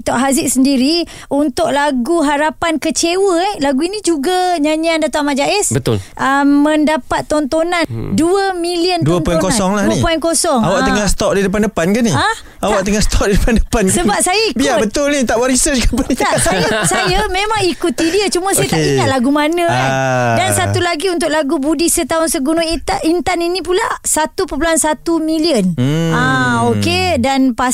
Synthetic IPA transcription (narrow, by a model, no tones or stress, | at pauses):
t̪ɔʔɦazɪʔ̚səndiɾi | unt̪ʊʔ̚laɡuɦaɾapankət͡ʃewəɛhlaɡuinĩd͡ʒuɡaɲaɲiandat̪uamad͡ʒaʔɛsbət̪ʊ̰lʔəmmə̃ndapat̪ːɔnt̪onanduəmiliənduənɔɛ̃kosɔŋlahipɔɛnkosɔŋawaʔ̪əŋast̪ɔʔ̚didəp̬andəpankanːia | awaʔt̪əŋaʔst̪ʰɔk̚didəpandəpanksəbap̚sajaibiabət̪ʊlnit̪aʔbəɾisət͡ʃkapənitasjasajəmẽmãŋikut̪idiət͡ʃumə̃sajət̪aʔiŋaʔ̪̚laɡumanə̃kadansat̪ulaɡiunt̪̬ʊk̚laɡubudisət̪aʊnsəɡunõit̪aint̪aninĩpulasat̪upəp̬luansat̪umĩliən̩aokedanpa